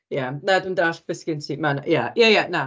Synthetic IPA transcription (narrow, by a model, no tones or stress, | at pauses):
janadəndaɬv̥ɪskəntʰimanjajajana